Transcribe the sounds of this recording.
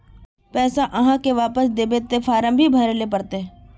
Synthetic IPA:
pɛːsaʔɐɦãkeʋaːpəsd̪eːbeːt̪efʰaːɾəmbʱibʱɐɾelep̬ɐɾt̪e

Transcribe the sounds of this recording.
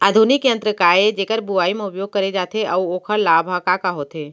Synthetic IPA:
aːd̪ʱunikə̃nt̪ɾəkaːed͡ʒeːkəɾbuaːimẽʊpjoːɡ̚kɐɾed͡ʒaːt̪ʰeʔɐuoːkʰəɾlaːbʱakakaɦoːt̪eː

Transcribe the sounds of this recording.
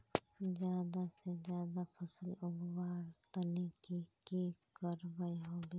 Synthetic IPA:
d͡ʒjaːd̪ased͡ʒjaːd̪apʰəsəlʊɡwaːɽt̪ənikikikəɾbəjɦoːbi

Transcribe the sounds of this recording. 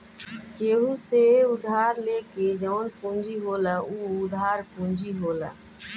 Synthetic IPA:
keːɦuseʊd̪ʱaːɾleːked͡ʒəʊnpũnd͡ʒiɦoːləuːʊd̪ʱaːɾpũnd͡ʒiɦoːla̰

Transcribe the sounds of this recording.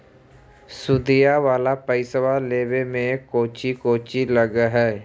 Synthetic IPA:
sʊd̪ijaʋaːlapəɪsəwaleːbemẽkoːt͡ʃikoːt͡ʃiləɡɦɛː

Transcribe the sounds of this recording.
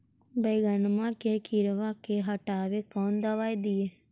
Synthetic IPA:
bəjɡənmãːkeːkiɾʋãːkeːɦəʈaːʋeːkɔːnd̪əʋaːjd̪iːeː

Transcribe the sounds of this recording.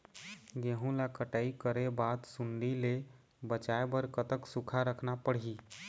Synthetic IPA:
ɡeɦũlakəʈəikəɾebad̪sunɖ̪ile | bət͡ʃaebəɾkət̪əksukʰaɾəkʰnapəɽ̤ɦi

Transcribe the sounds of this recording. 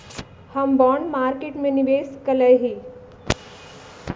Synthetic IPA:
hɐmbɔːɳmaːɾkeːʈmẽniʋeːskɐləjɦi

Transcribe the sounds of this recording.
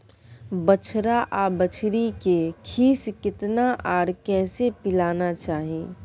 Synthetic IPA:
bət͡ʃʰɾaʔaːbət͡ʃʰɾikekʰiːskɪt̪naʔaːɽkɛːsepɪlaːnat͡ʃaːɦiẽː

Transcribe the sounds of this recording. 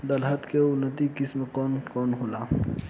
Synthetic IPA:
d̪ɐlɦɐt̪keʊnːət̪ikɪsmekɔːnkɔːnɦolaː

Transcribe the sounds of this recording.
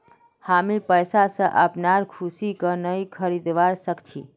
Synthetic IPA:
hamipəjsasə̃ʔəpnaɾkʰusikənəjkʰəɾid̪ʋaɾsəkt͡ʃʰi

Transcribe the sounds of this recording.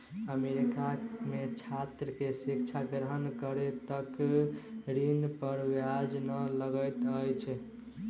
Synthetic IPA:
əmeɾikamet͡ʃʰat̪ɾəkesikt͡ʃʰaɡɾəɦənkəɾet̪ək | ɾinpəɾwjad͡ʒnələɡəjt̪əjt͡ʃʰ

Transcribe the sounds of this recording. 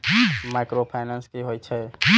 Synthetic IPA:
majkɾopʰajnanskiɦojt͡ʃʰɛ

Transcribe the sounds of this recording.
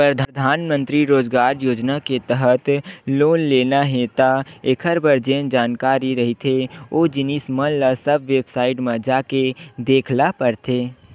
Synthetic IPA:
pɾəd̪ʱəd̪ʱaːnmə̃nt̪ɾiɾoːd͡ʒɡaːɾjoːd͡ʒnaket̪əɦət̪loːnleːnaɦet̪aekʰəɾbəɾd͡ʒeːnd͡ʒaːnkaːɾiɾəɦit̪ʰeoːd͡ʒɪnisməllasəbʋeːbsaːɪʈmẽd͡ʒaːked̪eːkʰlapəɾt̪ʰeː

